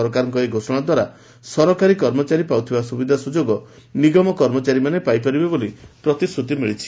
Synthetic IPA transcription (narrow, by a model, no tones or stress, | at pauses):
ɾɔkaɾɔ̃ŋkɔeɡʱosɔɽ̃ad̪waɾa | sɔɾɔkaɾikɔɾmɔt͡ʃaɾipawt̪ʰibasubid̪ʱasud͡ʒoɡɔ | niɡɔmɔkɔɾmɔt͡ʃaɾimanepajpaɾibebolipɾɔt̪isɾut̪imiɭit͡ʃʰi̥